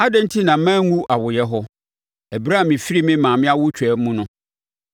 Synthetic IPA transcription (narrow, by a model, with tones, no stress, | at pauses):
a˦dɛ̃˦n̩˦tʰi˦nã˨˦mæ̃ː˦ŋũ˦ʔa˨wʊ˨jɛ˦ɦɔ˦ | æ˨bɾa˦˨mɪ̃˨fi˦ɾi˦mɪ̃˦mãː˨mɪ̃˦a˦wʊ˦t͡ɕʰᶣɛ˨˦mũ˦nʊ̃˦